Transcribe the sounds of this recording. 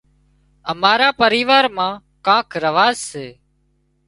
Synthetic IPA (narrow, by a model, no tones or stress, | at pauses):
əmaːɾaːpəɾiːʋaːɾmãː | kãːkɾəʋaːzseː